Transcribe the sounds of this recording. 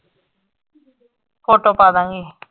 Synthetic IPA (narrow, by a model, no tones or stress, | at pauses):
foːʈoːpaːd̪ãːŋɡiː